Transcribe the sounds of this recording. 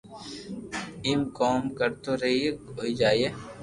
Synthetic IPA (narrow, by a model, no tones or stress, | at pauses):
iːmkɔːmkəɾt̪oɾɐiekoːid͡ʒaːie